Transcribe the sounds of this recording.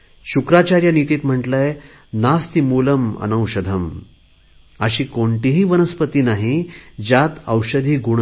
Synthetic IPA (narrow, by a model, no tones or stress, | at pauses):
ɕukɾat͡ɕaɾjanit̪iːt̪m̤əɳʈlaje | nast̪imuləmə̰nə̃wɕəd̪ʱəm | əɕiːkoɳʈiːɦiːʋənəspət̪iːnaɦid͡ʑat̪əwɕəd̪ʱiːɡuɳ